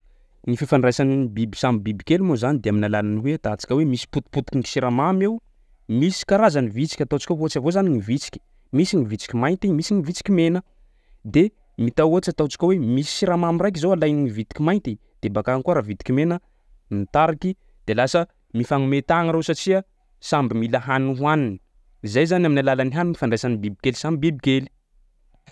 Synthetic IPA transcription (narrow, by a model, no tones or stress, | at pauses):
nififanrajsanibibisamibibikelumozanid̪eaminalalaniwet̪at͡si̥kʲəwemisi̥put̪i̥put̪ikiŋi̥siɾamamew | misi̥kaɾazanivit͡si̥kʲat̪awt͡ʃi̥kʲaoat͡ʃavozaniŋivit͡si̥kʲi̥ | misinivit͡si̥kʲimajnt̪imisiŋivit͡si̥kʲimenə | d̪e | mit̪awot͡ʃat̪awt͡ʃi̥kʲəwemisi̥siɾamamirajk̬izowalajniivit̪i̥kʲimajnt̪i | d̪̥ebakaŋkuaɾavit̪i̥kimenə | mit̪aɾaki | d̪̥elasə | mifaŋumet̪aŋəɾowsat͡ʃiə | sambimilaɦanuɦwanini̥ | izajzanaminalalaniɦanunifaɳɖ͡ʐesanibibikelisambibibikeli̥